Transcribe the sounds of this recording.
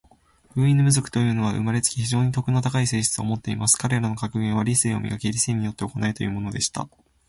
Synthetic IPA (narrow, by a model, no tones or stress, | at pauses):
ɸɯ̟ːĩnːomɯ̟zo̞kɯ̟̥t̪o̞jɯ̟ːno̞β̞aʔɯ̰maɾe̞t͡sɨ̥kʲiçiʑo̞ːɲ̟it̪o̞kɯ̟not̪akaise̞ːɕi̥t͡sɨo̞̰mo̞t̪ːe̞ḭmasɨ̥kaɾe̞ɾanokakɯ̟ɡẽɰ̃βaɾʲiseːo̞̰mʲḭɡake̞ɾʲiseːɲ̟ijo̞t̪ːe̞oko̞nait̪o̞jɯ̟ːmo̞no̞d̪e̞ɕi̥t̪a̰